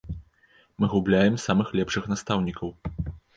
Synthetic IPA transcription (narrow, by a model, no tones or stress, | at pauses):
mɨɣublʲajɛmsamɨxlʲɛpʂɨxnast̪awnʲikɐw